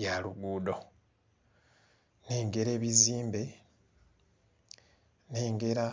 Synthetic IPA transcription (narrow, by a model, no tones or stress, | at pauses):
jaluɡuːdo̞ | neːŋɡe̞ɾe̞ːβiziːmbe̞ | neːŋɡe̞ɾa